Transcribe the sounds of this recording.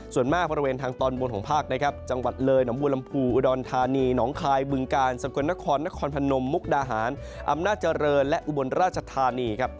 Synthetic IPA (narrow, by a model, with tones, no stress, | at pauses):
su˨˩ənmaː˥˩bɔː˧ɾi˧weː˧nt̪ʰaː˧ŋt̪ɔː˧nwo˧nkʰɔː˩˦pʰaː˥˩k̚na˦˥kʰa˦˥p̚t͡ɕa˧ŋwa˨˩t̪̚lɤː˧jna˩˦mbuː˧la˧mpʰuː˧ʔu˧dɔː˧nt̪ʰaː˧niː˧nɔː˩˦ŋkʰaː˧jbɯ˧ŋkaː˧nsa˨˩˦ku˧na˦˥kʰɔː˧nːa˦˥kʰɔː˧npʰa˧no˧mːu˦˥k̚daː˧ɦaː˩˦n | ʔa̰˧mnaː˥˩t̪̚t͡ɕa˧ɾɤː˧nlɛ˦˥ʔu˧bo˧nɾaː˥˩t̪̚t͡ɕʰa˧t̪ʰaː˧niː˧kʰa˦˥p̚